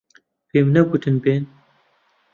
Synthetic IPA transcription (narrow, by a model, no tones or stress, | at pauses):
peːmnɐɡʊt̪ʰɨnbeːn